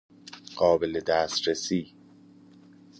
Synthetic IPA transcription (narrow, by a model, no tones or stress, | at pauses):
ɢ̥ɒːbeled̪æːst̪ɾesiː